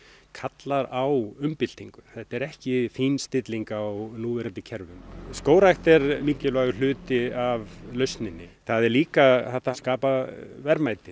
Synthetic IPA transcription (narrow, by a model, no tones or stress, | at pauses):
kʰat̪laɾawʏmpɪl̥t̪iŋkʏ̥θɛht̪ɛɾɛhcɪfiːnst̪ɪt̪liŋkawnuːvɛɾɪnt̪ɪcʰɛɾvʏmskoːwɾajxt̪ɛɾmiːcːɪlvaɣʏl̥ʏːt̪ɪavlœɥst̪nɪnːɪθaðɛɾliːkaθaht̪askaːpavɛɾmajt̪ɪ